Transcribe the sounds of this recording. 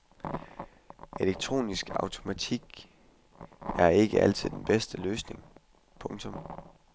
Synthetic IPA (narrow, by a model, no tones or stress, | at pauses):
e̝leɡ̥̚t͡sʰʁo̝̰ːnisɡ̥ɑ̈ʊt͡sʰo̝mæt͡sʰiɡ̥ | æɐe̝ɡ̥əʔæl̰t͡sʰið̰ˠd̥enb̥esd̥əløːsne̝ŋ | pʰɔ̽ŋt͡sʰɔ̽m